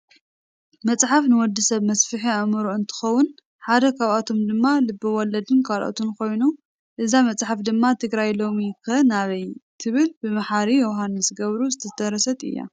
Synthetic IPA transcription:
mɐt͡sʼħafnɨwɔd̪ːisɐβmɐsfɨħiɐmɨɾoɨnt̪ʰɨ̥xɐwːʊn | ħad̪ɐkʰaβat̪ʰo̞md̪ɨmːalɨbːɨwɔlɐd̪ɨnkʰalʔo̰t̪ʰunkʰo̞jnu | ʔɨzamɐt͡sʼħafd̪ɨmːat̪ʰɨɡɾajlo̞mikɨɐnaβɐjt̪ʰɨβɨlbɨmaħaɾijowɦanːɨsɨɡɐβɾuzɨt̪ʰɐt̪ɐɾɐsɐt̪ʼɨ̰jːa̰

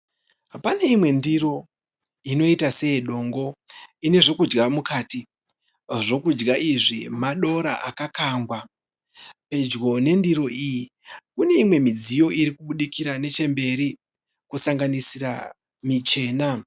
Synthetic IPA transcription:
pane̞imwe̞ndiro̞ | ino̞itase̞jeɗo̞ːŋɡo̞ine̞ʐo̞kud͡ʒɡamukaːti | ʐo̞kud͡ʒɡaʔiʐimaɗo̞ɾa̰ʔakakaŋɡwa | pe̞d͡ʒɡo̞ne̞ndiɾo̞ʔiji | kune̞imwe̞mid͡zijo̞iɾikuɓuɗikiɾane̞t͡ʃe̞mbe̞ɾi | kusaŋɡanisiɾa̰ | mit͡ʃe̞ːna

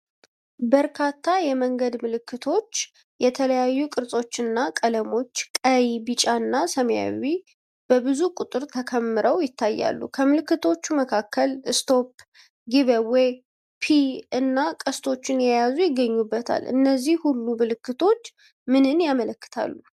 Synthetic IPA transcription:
bəɾkʰat̪ʰːajɛməŋɡəd̪mɨlɨkːɨt̪ʰo̞t͡ʃː | jɛt̪ʰələjajːukʼɨɾsʼo̞t͡ʃːɨnːakʼələmo̞t͡ʃːkʼəjibɨt͡ʃʼaɨnːasəmja̰wi | b̥əbɨzukʼut̪ʼɨɾt̪ʰəkʰəmːɨɾəwjɪt̪ʰːajːa̰lːṵkʰəmɨlɨkːɨt̪ʰo̞t͡ʃːuməkʰakʰːəlɨst̪ʰo̞p | ɡɨβəwej | pʰiɨnːakʼəst̪ʰo̞t͡ʃːɪnjɛjazujɪɡːəɲːubːət̪ʰa̰lʔɨ̰nːəzːihhulːumɨlɨkːɨt̪ʰo̞t͡ʃː | mɨnɨnjamələkːɨ̥t̪ʰa̰lːu

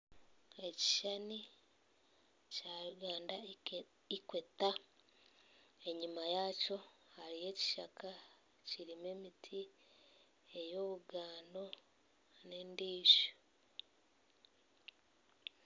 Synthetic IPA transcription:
e̞ci̥ʃani | caːɾuɡaːnda | ikweta | e̞ɲimajaco̞haɾije̞ːci̥ʃakʰa | ciɾime̞ːmitʰi | e̞jo̞ːβuɡaːndo̞ | ne̞ːndiːʃo̥

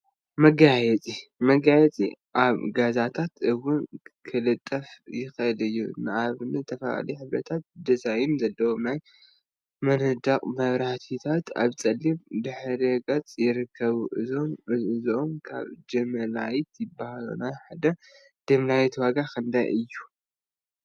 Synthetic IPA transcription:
mɐɡajɛt͡sʼimɐɡajɛt͡sʼḭʔaβɡazat̪ʰat̪ʰɨwːʊnkʰɨlɨt̪ʼːɐfjɪxʔɨlɨjːṵnɨʔaβnɨɨt̪ʰɐfɐla̰liħɨβɾɐt̪ʰat̪̚d̪ɐzajimzɐlːɐwonaj | mɐnɨd̪akʼmɐβɾaht̪ʰit̪ʰat̪a̰βt͡sʼɐlːimd̪ɨħɾiɡɐt͡sʼjɪɾɨkʰːɐβuʔɨzomɨɨzomkʰa̰βd͡ʒɐmɐlajt̪jɪbːahalo̰naħad̪ɐ | d͡ʒɐmlajt̪waɡakʰɨnd̪ajʔɨjːu

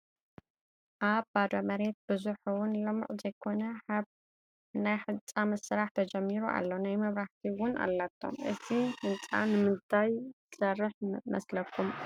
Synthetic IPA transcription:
ʔaβbad̪omɐɾe̞t̪̚bɨzuħuwʊnlɨm̰ʕzɐjkʰo̞nɐħaβ | najħɨt͡sʼːamɐsɨɾaħt̪ʰɐd͡ʒɐmːiɾuʔa̰lːo̞najmɐβɾaht̪ʰiwʊnʔa̰lːat̪ʰːo̰mʔɨ̰t̪ʰiħɨnt͡sʼa̰nɨmɨzt̪ʰaj | sɐrːɨħmɐslɐkʰːum

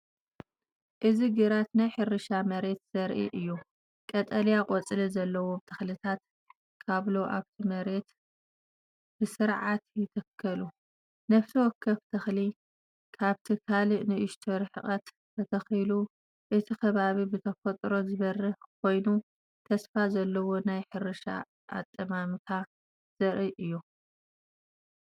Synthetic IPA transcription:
ʔɨziɡɨɾat̪najħɨɾɨʃamɐɾe̞t̪z̥ɐɾʔḭʔɨjːu | kʼɐt̪ʼɐljakʼɔt͡sʼɨlizɐlːɐwo̞t̪ʰɐxlɨt̪ʰat̪ | kʰaβloʔaβt̪ʰimɐɾe̞t̪ | bɨsɨɾʕat̪jɪt̪ʰɐkʰːɐlu | nɐβt̪ʰɐwɔkʰːɐft̪ʰɐxli | kʰaβt̪ʰikʰaliʔnɨʔɪʃt̪ʰɐɾħɨχʼɐt̪ | kʰɐt̪ʰɐxilu | ʔɨt̪ʰikʰɐβaβibɨt̪ʰɐfɐt̪ʼɾo̞zɨβɐrːɨħkʰo̞jnu | t̪ʰɐsfazɐlːɐwo̞najħɨɾɨʃa̰ | ʔa̰t̪ʼːɐmamɨt̪ʰa | z̥ɐɾiʔɨjːu

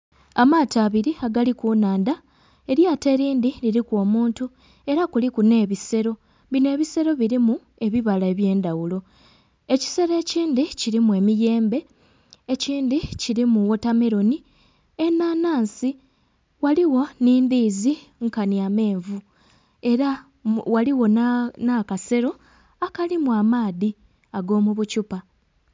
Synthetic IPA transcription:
amaːtaːβiɾiaɡalikuːnaːnda | e̞ɾjaːte̞ɾiːndiliɾikwo̞ːmuːntu | e̞ɾakulikune̞ːβise̞ɾo̞ | βine̞ːβise̞ɾo̞βiɾimu | e̞βiβalae̞βje̞ːndawulo̞ | e̞ci̥se̞ɾe̞ːciːndiciɾimue̞ːmije̞ːmbe̞ː | ciːndiciɾimuwo̞tame̞ɾo̞ni | enaːnaːnsi | waliwo̞niːnd̪iːziŋkaniame̞ːɱvu | e̞ɾa | waliwo̞nakase̞ɾo̞ | akalimuamaːði | aɡo̞ːmuβucupa

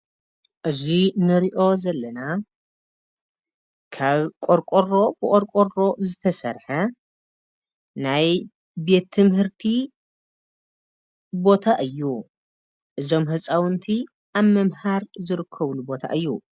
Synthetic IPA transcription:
ʔɨzinɨɾiʔo̞zɐlːɐna | kʰaβkʼoɾkʼoro̞bɨʔʼoɾkʼoro̞zɨt̪ʰɐsɐ̰ɾħɐ | naj | be̞t̪ʰːɨmhɨɾt̪ʰi | bo̞t̪ʰaʔɨjːu | ʔɨzo̞mɦɨt͡sʼawɨnt̪ʰi | ʔaβmɐmhaɾzɨɾɨkʰːɐβlubo̞t̪ʰa̰ʔɨjːṵ

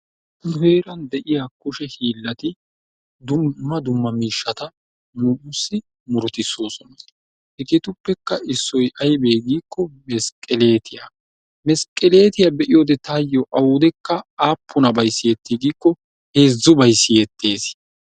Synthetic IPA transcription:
nʊhe̞ːɾɐnd̪ɛʔɪjakʊʃɛhiːlːɐt̪ɪ | d̪ʊːɐd̪ʊmːɐmiːʃːɐt̪ɐ | nʊʊsːɪ | mʊɾt̪ɪsːo̞ːsɔnɐ | hɛkɪt̪ʊpːɛkːɐʔɪsːɔjʔɐjbe̞ːɡiːkːɔmɛskʼɛle̞ːt̪ʰɪja̰ | mɛskʼːɛle̞ːt̪ɪjabɛʔɪjoːd̪ɛt̪aːjːɔʔɐwʊd̪ɛkːɐaːpʰːʊnɐbɐjsːɪjɛt̪ːiɡiːkːɔ | he̞ːzːʊbɐjsːɪjɛt̪ːe̞ːs

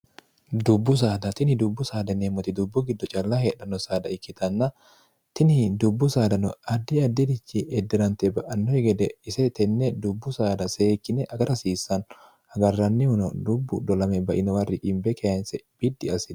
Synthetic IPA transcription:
d̪ʊbːʊs̬aːd̪ɐt̪ɪnɪd̪ʊbːʊsaːd̪ɐnemɔt̪ɪd̪ʊbːʊɡɪd̪ːɔt͡ʃʼɐlːɐheːᶑɐnːɔsaːd̪ɐɪkːɪt̪ʰɐnːɐ | t̪ɪnɪd̪ʊbːʊsaːd̪ɐnɔɐd̪ːɪɐd̪ːɪd̪ɪt͡ʃːiɛd̪ːɛɾɐnt̪ɛbɐʔɐnːɔhɪɡɛd̪ɛɪsɛt̪ɛnːɛd̪ʊbːʊsaːd̪ɐseːkːɪnɛʔɐɡɐɾɐsiːsːɐn | hɐɡɐrːɐnːɪhʊnɔ̰d̪ʊbːʊd̪ɔlɐmɛbɐʔɪnɔwɐrːɪkʼɪmbɛkʰeːnsɛb̥ɪd̪ːɪɐsɪd

